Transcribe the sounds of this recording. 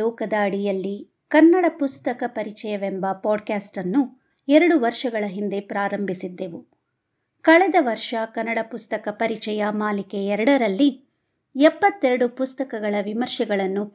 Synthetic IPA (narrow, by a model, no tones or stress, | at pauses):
ɔːkɐd̪ɐːɽijɐlːi | kɐnːɐɽɐpust̪ɐkɐpɐɾit͡ʃɛjɐʋembɐpɔːɖkaːsʈɐnːu | ɛɾɐɽuʋɐɾʂɐɡɐɭɐɦind̪e̞pɾaːɾɐmbʱisid̪ːe̞ʋu | kɐɭɛd̪ɐʋɐɾʂɐkɐnːɐɽɐpust̪ɐkɐpɐɾit͡ʃɛjɐmaːlikeɛɾɐɽɐɾɐlːi | ɛpːɐt̪ːeɾɐɽupust̪ɐkɐɡɐɭɐʋimɐɾʃɛɡɐɭɐnːu